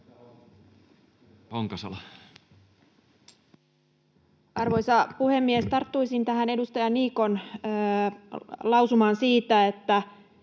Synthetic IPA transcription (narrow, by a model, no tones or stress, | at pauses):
poŋkɑsɑ̰lɑ | ʔɑrʋo̞jsɑpuhe̞mːiest̪ɑrt̪ːujsint̪æhɦæne̞dust̪ɑjɑnːiːko̞nː | lɑwsumɑːnsiːt̪æe̞t̪ːæ